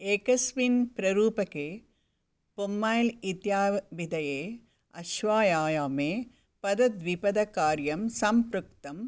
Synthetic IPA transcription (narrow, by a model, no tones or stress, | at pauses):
eːkɐsʋinpɾɐɾuːpɐkeː | pumːaːjlit̪jaːbid̪ɐjeː | ɐʃʋaːjaːjaːmeː | pɐd̪ɐd̪ʋipɐd̪ɐkaːɾjɐmsɐmpɾukt̪ɐm